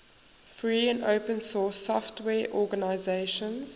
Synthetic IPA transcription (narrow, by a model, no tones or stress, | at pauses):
fɹiːə̃ndoʊpə̃nsɔːsɔftwɛːʔɔːɡanaɪzeɪʃə̃nz̥